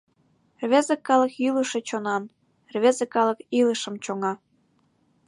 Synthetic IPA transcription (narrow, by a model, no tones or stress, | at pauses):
rβezĕkːɑləkiləʃe̽t͡ɕonɑn | rβʲezĕkɑlɤkiləʃəmt͡ɕoŋɑ